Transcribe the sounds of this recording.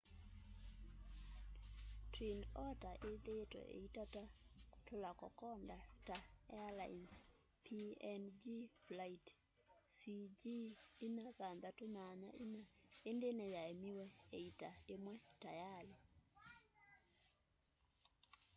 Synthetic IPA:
tɾinɔtaʔeðetwɛ̰ʔḛitatakotolakɔ̰kɔndataɛ̰ala̰ins | pʰiɛnd͡ʒiflait | sid͡ʒiinakandatomaɲa̰inaendenɛjaemiwɛeitaemwɛtajale

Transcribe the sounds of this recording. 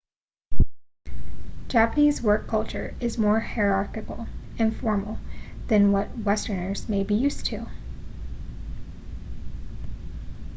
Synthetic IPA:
d̥ʒ̥æpənizwɜ˞kʰːʌlˠt͡ʃə˞ɪzmɔɹhiɹɑɹkɨkl̩ˠɨ̃nfɔɹml̩ˠðɨ̃nwʌt̚wɛstə˞nə˞z̥meɪbijʉstʰu

